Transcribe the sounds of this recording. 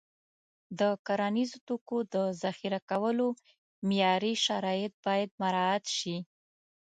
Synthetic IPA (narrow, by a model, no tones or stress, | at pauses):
d̪əkaɾanizot̪okod̪əzaxiɾakawəlo | mjɑɾiʃaɾɑjɪt̪̚bɑjad̪̚maɾɑat̪ʃi